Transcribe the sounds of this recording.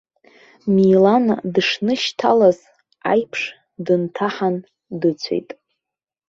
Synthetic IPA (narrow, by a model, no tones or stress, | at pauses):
mijlandʂnɨʃtʰalaz̥ | a̰jpʰʂ | dɨntʰaħan | dɨt͡sʷʰe̞̰jtʼ